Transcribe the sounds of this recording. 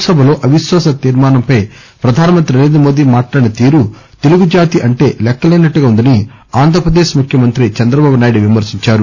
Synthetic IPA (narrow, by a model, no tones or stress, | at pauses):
sɐbʱɐlo̞ːʔɐʋiʃʋaːsɐt̪iːɾmaːnɐmpɐj | pɾɐd̪ʱaːnɐmɐnt̪ɾiɾeːnd̪ɐmo̞ːd̪iːmaːʈlaːɽinɐt̪iːɾu | t̪eluɡud͡ʒaːt̪iʔɐɳʈe̞ːlɛkːɐlɐjnɐʈːuɡaːund̪ɐni | aːnd̪ʱɐɾɐpɾɐd̪eːʃmukʰjɐmɐnt̪ɾit͡ʃɐnd̪ɾɐbaːbunaːjiɽiʋimɐɾsiɲt͡ʃaːɾu